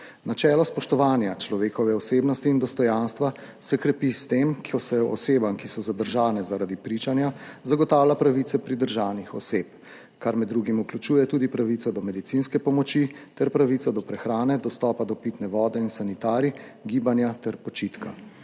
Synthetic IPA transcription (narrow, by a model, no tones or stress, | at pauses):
nat͡ʃɛːlɔspɔʃt̪ɔʋaːnjat͡ʃlɔʋeːkɔʋɛɔseːbnɔst̪iːnd̪ɔst̪ɔjanst̪ʋa | sɛkɾɛpist̪eːmkɔsɛɔɔseːbamkisɔzad̪əɾʒaːnɛzaɾad̪ipɾit͡ʃanjazaɡɔt̪aːwlʲapɾaʋit̪sɛpɾid̪əɾʒaːwnixɔ̰seːp | kaɾmɛd̪ːɾuɡimuklʲut͡ʃuːjɛt̪uːd̪ipɾaʋit̪sɔd̪ɔmɛd̪it̪sinskɛpɔmɔt͡ʃit̪ɛɾpɾaʋit̪ɔd̪ɔpɾɛxɾaːnɛd̪ɔst̪ɔːpad̪ɔpit̪nɛʋɔːd̪ɛinsanit̪aːɾiɡiːbanjat̪ɛɾpɔt͡ʃit̪ka̰